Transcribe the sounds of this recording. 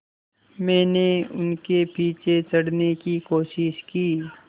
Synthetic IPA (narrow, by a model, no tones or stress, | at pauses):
mɛ̃ːneʊ̰nkepiːt͡ʃet͡ʃɐɽnekikoːʃɪʃkiː